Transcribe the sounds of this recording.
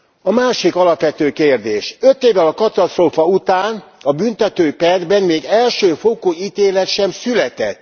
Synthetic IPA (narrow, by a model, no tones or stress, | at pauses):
ɒmaːʃikɒlɒpʋɛt̪øːkeːrd̪eːʃøt̪eːvːɛlɒkɒt̪ɒst̪roːfɒut̪aːnɒbynt̪ɛt̪øːpɛrd̪bɛnmeːɡɛlʃøːfokoit̪eːlɛt̪ʃɛmsylɛt̪ɛt̪ː